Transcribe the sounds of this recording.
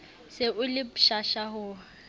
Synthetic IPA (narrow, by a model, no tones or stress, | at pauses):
sɪʔʊlɪpʃaʃaɦʊ